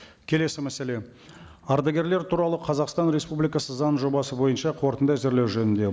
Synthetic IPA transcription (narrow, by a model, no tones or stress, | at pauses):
kʲʰe̞le̞sɪmæsele̞ | ɑɾd̪ɑɡʲe̞ɾleɾt̪ʰuɾɑlˠəqʰɑzɑqst̪ɑnɾe̞spublijkɑsəzɑnʒo̞bɑsəbo̞jənʃɑqʰo̞ɾt̪ənd̪ɑzɪɾle̞wʒɵnɪnd̪e̞